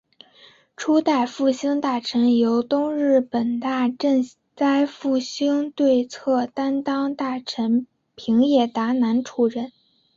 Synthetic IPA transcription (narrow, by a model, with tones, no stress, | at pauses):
ʈ͡ʂʰu˥t̪a˥˧ɪfu˥˩ɕi˥ŋt̪a˥˩ʈ͡ʂʰə˧˥njo˧˥ʊt̪ʊ˥ŋɻɻ̩˥˩pə˨˩nt̪a˥˧ʈ͡ʂə˥˩ŋ | t͡sa˥ɪfu˥˩ɕi˥ŋt̪we˥˧ɪt͡sʰɤ˥˩t̪a˥nt̪ɑ˥ŋt̪a˥˩ʈ͡ʂʰə˧˥n | pʰi˧˥ŋjɛ˥˩t̪a˧˥na˧˥nʈ͡ʂʰu˧˩ɻə˥˩˦n